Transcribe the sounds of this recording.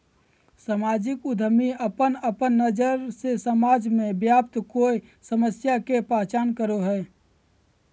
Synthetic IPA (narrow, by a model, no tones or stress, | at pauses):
samaːd͡ʒɪkʊd̪ʱəmiəpənəpənːəd͡ʒəɾsesəmaːd͡ʒmẽbjaːp̚t̪koːisəməsjakepaːt͡ʃaːnkəɾoɦɛː